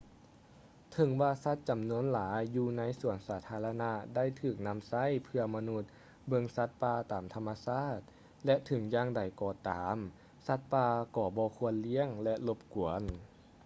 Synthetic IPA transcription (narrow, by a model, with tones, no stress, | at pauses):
t̪ʰɤ˨˦ŋwaː˧sa˧˥t̪̚t͡ɕa˨˩mnu˧˥ənlaː˩˦jːuː˧na˧˥jsu˨˩ənsaː˨˩˦t̪ʰaː˧la˧na˧˥da˥˩jt̪ʰɯː˨˩k̚na˧˥˨msa˧˥˨jpʰɯ˧ɐma˧nu˧˥t̪̚ | bɤ˧ŋsa˧˥t̪̚paː˧t̪aː˨˩mt̪ʰa˧mːa˧saː˥˩t̪̚ | lɛ˧ʔt̪ʰɯ˨˩˦ŋjaː˧ŋda˨˩jkɔː˧˩t̪aː˩˦m | sa˧˥t̪̚paː˧kɔː˧˩bɔː˧˦kʰu˧˥ənli˧˥˨əŋlɛ˧ʔlo˧p̚ku˨˩˦ən